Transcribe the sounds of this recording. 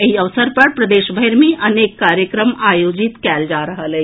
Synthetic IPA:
ɐɦiɐʋsəɾpɐɾpɾɐd̪eːʃbʱəeɾmẽʔɐneːkːaːɾjəkɾəmaːjoːd͡ʒɪt̪kɛːld͡ʒaːɾɐɦəle

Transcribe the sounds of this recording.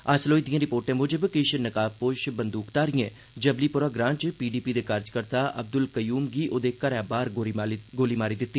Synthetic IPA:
əsloːid̪ijãːɾɪpoːɾʈẽːmʊd͡ʒəbkɪʃnəkaːpoʃbənd̪uːkt̪aːɾijẽː | d͡ʒəbliːpʊɾaːɡɾãːɳt͡ʃpiːɖiːpiːd̪eːkʰəɾd͡ʒkəɾt̪aːʔəb̚d̪ʊlkəjuːmɡiʔoːd̪eːkəɾɛːbaːɾoɡoːliːmaːɾiːd̪ɪt̪ːiː

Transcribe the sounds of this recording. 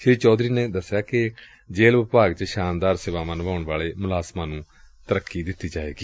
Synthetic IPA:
ʃɪɾiːt͡ʃɔːd̪ɾiːneːd̪əsːjaːkɪ | d͡ʒeːlʋɪpaːɡt͡ʃəʃaːnd̪aːɾsɪʋaːʋənʋaːʊɳʋaːleːmʊlaːsmãːnũː | t̪əɾəkːiːd̪ɪt̪ːiːd͡ʒaːʋḛːɡiː

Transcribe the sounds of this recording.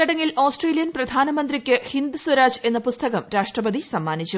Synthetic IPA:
ɐɽɐŋːilo̞ːsʈreːlijɐnprɐd̪ʱaːnɐmɐnd̪rikʲːɨhind̪ɨswɐɾaːd͡ʑe̞nːɐpust̪ɐɣɐmɾaːʂʈrɐbɐd̪isɐmːaːnit͡ɕːu

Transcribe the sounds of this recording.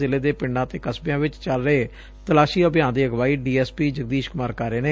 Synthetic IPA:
ɪleːd̪eːpɪɳɖãːt̪eːkəsbjãːʋɪt͡ʃt͡ʃəlɾəeː | t̪əlaːʃiːəbjãːnd̪iːəɡʋaːiːɖiːɛːspiːd͡ʒəɡ̚d̪iːʃkʊmaːɾkaːɾeːneː

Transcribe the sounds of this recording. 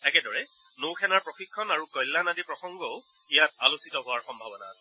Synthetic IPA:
ɛkɛdɔɹɛ | nowxʰɛnaɹpɹɔxikʰːɔnaɹukɔjlːanadipɹɔxɔŋɡɔʊ | ijat̚alusitɔɦʊaɹxɔmbʱabɔna̰sɛ

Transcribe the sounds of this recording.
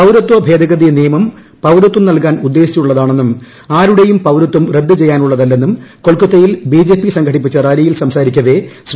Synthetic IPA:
pɐwɾɐt̪ːwɐbʱe̞ːd̪ʱɐɣɐðinijɐmɐm | pɐwɾɐt̪ːumnɐlkaːnud̪ːe̞ːɕi̥t͡ɕːuɭːɐðaːɳe̞nːum | aːɾuɽe̞jumpɐwɾut̪ːumre̞d̪ːɨt͡ɕe̞jːaːnuɭːɐðɐlːe̞nːumko̞ɭkːut̪ːɐjilbiːd͡ʑe̞ːpːisɐŋɡʰʱɐɽip̬ːit͡ɕːɐraːɾijilsɐmsaːɾikʲːɐðe̞s

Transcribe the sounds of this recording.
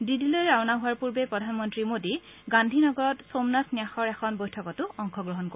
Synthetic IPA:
didilɔjɹawnaɦʊwaɹpuɹbepɹɔdʱanmɔntɹimodi | ɡandʱinɔɡɔɹɔtsomnasniaxɔɹɛxʰɔnbojtʰɔkɔtʊɔŋkʰɔɡɹɔɦɔnko

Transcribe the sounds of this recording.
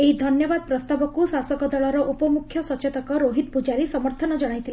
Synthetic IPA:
eid̪ʱɔnjɔbad̪̚pɾɔst̪abɔkusasɔkɔd̪ɔɭɔɾɔʔupɔmukʰːjɔsɔt͡ʃet̪ɔkɔɾoɦit̪̚pud͡ʒaɾisɔmɔɾt̪ʰɔnɔd͡ʒɔɽ̃ajt̪ʰil

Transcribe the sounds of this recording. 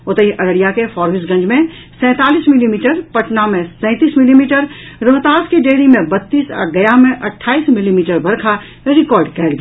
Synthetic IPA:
ʊt̪əɦiʔɐɾəɽijakefɔːɾʋɪsɡɐ̃ɲd͡ʒmẽ | sɛ̃ːt̪aːliːsmɪlimiːʈəɾpɐʈnamẽsɛ̃ːt̪iːsmɪlimiːʈəɾɾoɦt̪aːskiɖeːɽimẽbɐt̪ːiːsa̰ɡɐjamẽʔɐʈʰːaːiːsmɪlimiːʈəɾbʱɐɾkʰa | ɾɪkɔːɾɖkɛːlɡ

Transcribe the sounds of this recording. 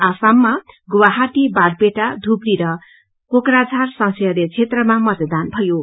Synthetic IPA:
asamːaɡuwaɦaʈibarpeʈad̪ʱubriɾʌ | kokɾad͡zʱarsʌŋsʌjʌɾet͡sʰet̪rʌmamʌt̪d̪anbʱʌjo

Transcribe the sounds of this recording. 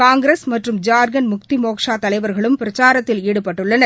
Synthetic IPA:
kaːŋɡɪɾeːsmɐʈrɯmd͡ʒaːɾɡɐnmʊk̚t̪imoːkʂaːt̪ɐlɐɪʋɐɾɣɐɭɯmpɪɾɐt͡ʃaːɾɐt̪ːɪliːɽɯpɐʈːɯɭːɐnɐ

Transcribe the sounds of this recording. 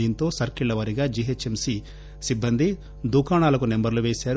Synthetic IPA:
iːnt̪o̞ːsɐɾkiɭːɐʋɐɾiɡaːd͡ʒiːɦet͡ʃːemsi | sibːɐnd̪ʱi | d̪uːkaːɳaːlɐkunembɐɾluʋeːsaːɾ

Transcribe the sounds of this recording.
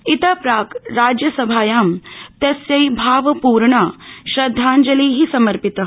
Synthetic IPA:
it̪ɐpɾaːkɾaːd͡ʒjɐsɐbʱaːjaːmt̪ɐsjɐjbʱaːʋɐpuːɾɳɐʃɾɐd̪ʱːaːɲd͡ʒɐliːɦisɐmɐɾpit̪ɐɦ

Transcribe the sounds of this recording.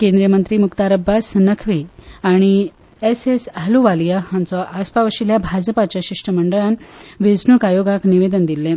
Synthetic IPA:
kẽnd̪ɾijəmənt̪ɾiːmukt̪aɾəbːasnəkʰʋiaɽ̃i | esesaluʋalijahãnt͡sɔʔaspaʋəɕiljabʱad͡zəpat͡ɕjaɕiʂʈəməɳɖəɭanʋed͡znukajoɡakniʋed̪ənd̪ilːẽ

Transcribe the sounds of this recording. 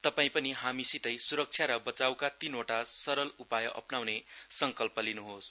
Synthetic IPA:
t̪ʌpaĩpʌniɦamisit̪ʌjsuɾʌk̚t͡sʰjaɾʌbʌt͡sawkat̪inoʈasʌɾʌlupajʌʔʌ̰pnawnesʌŋkʌlpʌlinuɦos

